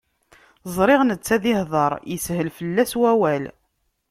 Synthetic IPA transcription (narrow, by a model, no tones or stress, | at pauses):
zˤɾˤɪʁnət͡sːæðɪhðˤɑɾˤjəshəlfəlːæswæwæl